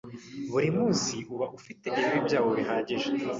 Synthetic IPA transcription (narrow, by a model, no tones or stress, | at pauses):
βuɾimuːnsiʔuβaʔufite̞ʔiβiβibɟaːwoβiɦaːɟiʒe